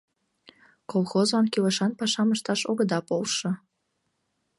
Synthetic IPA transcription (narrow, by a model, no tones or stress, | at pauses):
kolˠxozlɑnkiləʃɑnpɑʃɑməʃt̪ɑʃoɣəd̪ɑpolʃɤ̆